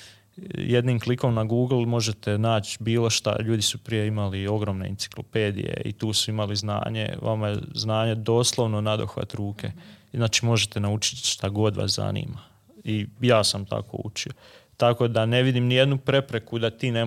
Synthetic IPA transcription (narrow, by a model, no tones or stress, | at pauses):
jed̪niːmkliko̞mnaɡuːɡl̩ˠmo̞ʒe̞t̪e̞naːt͡ʃbiːlˠo̞ʃt̪a̰ʎuːd̪isupɾijeimalio̞ɡɾo̞ːmne̞̰insi̥klˠo̰pe̞ːd̪ḭjḛḭt̪uːsuimalizna̰ːɲe̞̰ʋa̰majeznaːɲe̞d̪o̞ːslˠo̞ʋnonad̪oxʋa̰t̪ɾuːke̞znaːt͡ʃimo̞ʒe̞t̪e̞naut͡ʃi̥t̪ʃt̪aɡo̞d̪ʋa̰sza̰nḭːma | ijaːsamt̪ʰa̰ko̰ṵt͡ʃio | t̪ako̞d̪ane̞ʋid̪imnije̞d̪nupɾe̞pɾe̞kud̪at̪iːne